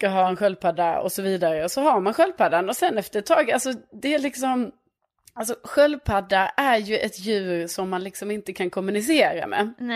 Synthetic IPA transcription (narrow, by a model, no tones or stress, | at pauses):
skaɦɑːɛnɧœlpʰad̪ːaɔ̰sɔviːd̪aɾəɔsɔɦaɾmanɧœlpʰad̪anɔsɛnːɛft̪əɾɛt̪ʰːɑːɡalsɔd̪ɛælɪksɔm | alsɔɧœlpʰad̪ːaæɾjɵʔɛt̪jʉ̟ːɾsɔmːanlɪksɔmɪnt̪əkʰankʰɔmːɵnɪs̬eːɾa̰mɛ̰ː